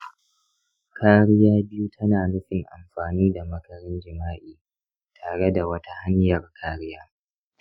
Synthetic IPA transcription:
kʰaː˦ɽɪ˦jaː˦bɪ˦ju˦tʰɐ˦naː˨nʊ˦ɸɪ˨ŋʔa̰˨mɸaː˨niː˦da˨mɐ˨kɐ˨ɾɪ˦nd͡ʒɪ˨maː˦ʔiː˨ | tʰaː˨ɽe˦da˨wɐ˦ta˦ha˦ɲjɐ˨rkʰaː˦ɽɪ˦jaː˦

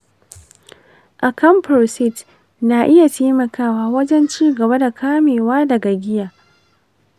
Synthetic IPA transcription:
ʔa˨kɐ˦mpɾoː˨sɪ˦t | na˨ʔɪ˦ja˨teː˦mɐ˨kaː˦waː˦wɐ˦d͡ʒɛ˦nt͡ʃiː˦ɡɐ˨ba˦da˨kʰaː˦meː˨waː˦dɐ˨ɡa˨ɡʲɪ˦jaː˨ʔ

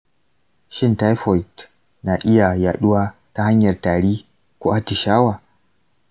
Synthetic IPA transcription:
ʃɪ˦˨nta˦jɸɔ˨jt | na˨ʔɪ˦ja˨jaː˨ɗʊ˦waː˦ta˦ha˦ɲjɐ˨rtaː˨ɽiː˦ | ku˦ʔa˦ti˨ʃaː˦waː˨

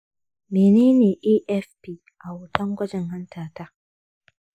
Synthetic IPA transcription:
meː˨neː˦neː˨ʔiː˦ʔɛ˦fpiː˦ | ʔa˨wʊ˨tɐ˦ŋɡʷɐ˦d͡ʒɛ˨ŋɦɐ˦ntʰaː˨taː˦ʔ

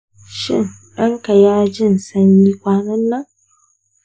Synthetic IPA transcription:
ʃɪ̰˦ŋ | ɗɐ˦ŋka˨jaː˦d͡ʒɪ˦˨nsɐ˦ɲjiː˦kʷaː˦nɐ˦nːɐ˦

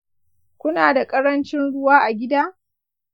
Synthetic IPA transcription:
kʷʊ˦naː˨da˨kʼɐ˦ɾɐ˦nt͡ʃɪ˦nɽʊ˦waː˦ʔa˨ɡʲɪ˦daː˦

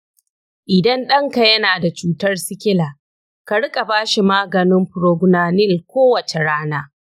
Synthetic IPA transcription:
ʔɪ˨dɐ˦nɗɐ˦ŋka˨jɐ˦naː˨da˨t͡ʃuː˦tɐ˦rsɪ˦kʲɪ˦laː˨ | ka˨ɽɪ˦kʼa˨baː˦ʃi˨maː˦ɡɐ˨nɪ˦mɸʊ˨ɾoː˨ɡʷʊ˨naː˨nɪ˦˨lkʷoː˦wɐ˨t͡ʃe˨ɽaː˦naː˦

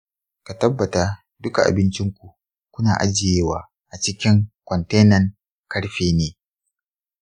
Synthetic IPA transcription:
ka˨tɐ˦bːɐ˨taː˦ | dʊ˦ka˨ʔa̰˨bɪ˦nt͡ʃɪ˦ŋkʷu˨ʔ | kʷʊ˦naː˨ʔa˦d͡ʒɪ˨jeː˦waː˦ | ʔa˨t͡ʃɪ˦kʲɪ˦ŋkʷɔ˨nte˦nɐ˨ŋ | kɐ˦ɽɸeː˦neː˨

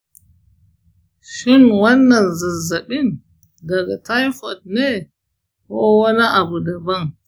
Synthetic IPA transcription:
ʃɪ˦nwɐ˦nːɐ˨nzɐ˨zːɐ˨ɓɪ˦n | dɐ˨ɡa˨ta˦jfɔ˨t̚neː˦ | koː˦wɐ˦ni˦ʔa˨bu˨dɐ˨bɐ˦ŋ

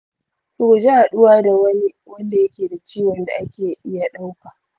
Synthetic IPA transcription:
kʊ˨kʊ˨d͡ʒe˦ha˨ɗʊ˦waː˦da˨wɐ˦ni˦wɐ˦nda˨jɐ˦kʲeː˨da˨t͡ʃiː˦wɐ˨nda˨ʔa˦kʲeː˨ʔɪ˦ja˨ɗa˦wkaː˨ʔ

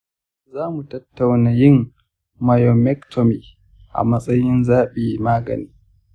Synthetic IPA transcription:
zaː˦mu˨tɐ˦tːa˨wnaː˨jɪ˦mː | a˨jɔ˨mɛ˦ktʰɔ˨mi˨ | ʔa̰˨mɐ˦sʼɐ˦jɪ˦nzaː˦ɓiː˨maː˦ɡɐ̰˨niː˦

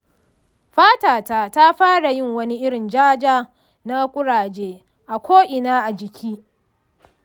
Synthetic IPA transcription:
ɸaː˦taː˨ta˦ta˦ɸaː˦ɽa˨jɪ˦˨ŋwɐ˦ni˦ʔɪ˦ɽɪ˨nd͡ʒaː˦d͡ʒaː˦ | na˦kʷʼʊ˦ɽaː˨d͡ʒeː˦ | ʔa˨kʷʰoː˦ʔɪ˨naː˦ʔa˨d͡ʒɪ˨kʲʰiː˦

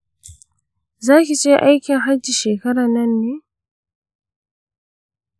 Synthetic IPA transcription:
zaː˦k̬ʲi˨t͡ʃeː˦ʔa˦jkʲɪ˨ŋɦa˦d͡ʒːiː˨ʃeː˨kɐ˦ɽaː˨nɐ˦nːeː˦

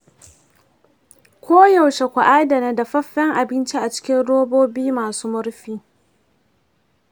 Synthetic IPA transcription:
kʷoː˦jɐ˨wʃe˨kʷa˨ʔaː˦dɐ˨na˦da˨ɸɐ˦ɸːɛ˦ŋʔa˨bɪ˦nt͡ʃi˦ʔa˨t͡ʃɪ̥˦kʲɪ˦nɽoː˦boː˦biː˦maː˨suː˦mʊ˦ɽɸiː˦

